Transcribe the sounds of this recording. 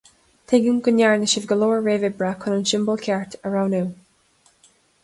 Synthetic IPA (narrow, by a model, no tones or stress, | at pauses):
t̪ʰeɡəmɡʊnjaɹnɪʃəvɡəloːɹɹeːvɪbɹakʰʊnənʃɪmbəlˠkʲʰɛɹtʰəɹawnuw